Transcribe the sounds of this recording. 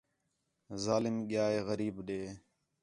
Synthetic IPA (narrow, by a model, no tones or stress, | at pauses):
zaːlɪmɠɪjaːeːɣəɾiːbɗeː